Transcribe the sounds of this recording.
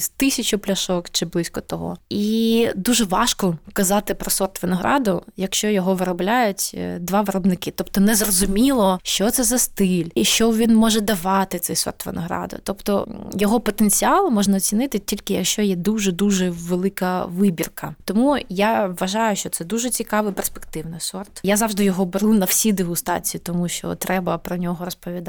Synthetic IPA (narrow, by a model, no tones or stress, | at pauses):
st̪ɪsʲɐt͡ʃʊplʲɐʃɔkt͡ʃɪblˠɪsʲkɔt̪ɔɦɔ̰id̪uʒɛʋɑʃkɔkɐzɑt̪ɪpɾɔsɔrt̪ʋɪnɔɦɾʔɑ̰d̪ʊjɐkʃt͡ʃɔjɔɦɔʋɪɾɔblʲajʊtʲd̪ʋɑʋɪɾɔbnɪkɪt̪ɔpt̪ɔnɛzrɔzʊmʲilˠɔʃt͡ʃɔt̪sɛzɐst̪ɪlʲʃt͡ʃɔʋʲinmɔʒɛd̪ɐʋɑt̪ɪt̪sɛjsɔ̰rt̪ʋḛnɔɦɾɑ̰d̪ʊ̰t̪ɔpt̪ɔ̰jɔɦɔpɔt̪enʲt͡sʲiɑlˠmɔʒnɐɔt͡sʲinɪt̪ɪtʲilʲkɪjɐkʃt͡ʃɔjɛd̪uʒɛd̪uʒɛʋelˠɪkɐʋɪbʲirkɐt̪ɔmujaʋɐʒɑjʊʃt͡ʃɔt̪sɛd̪uʒɛt͡sʲikɑʋɨjperspe̥kt̪ɪwnɪsɔrt̪jazɑʋʐʒd̪ɪjɔɦɔbeɾunɐwsʲid̪ɪɦʊst̪ɑ̰t͡sʲijit̪ɔmuʃt͡ʃɔ̰t̪ɾʔɛbɐpɾɔnʲɔɦɔɾɔspɔʋʲid̪